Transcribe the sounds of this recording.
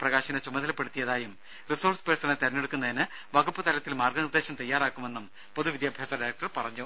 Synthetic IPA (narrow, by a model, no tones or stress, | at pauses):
prɐɣaːɕɐnɐt͡ɕumɐðʱɐlɐpːeɽut̪ːijɐðaːjum | riso̞ːrspesɐnɨt̪ɐɾɐnːeɽukːunːɐðinɨ | ʋɐɡupːɐt̪ɐlɐt̪ːilmaːrɡɐnird̪e̞ːɕɐmt̪ɐjːaːɾaːkːume̞nːum | po̞ðuʋid̪jaːbʱjaːsɐɖɐjɾɐk̚ʈɐrpɐrɐɲːu